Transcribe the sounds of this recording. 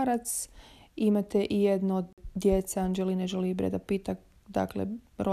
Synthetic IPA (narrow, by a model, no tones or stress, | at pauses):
ɾat̪simat̪eʔijed̪nood̪ːjet̪seand͡ʒelineʒelibɾḛd̪apit̪ak | d̪a̰klḛɾo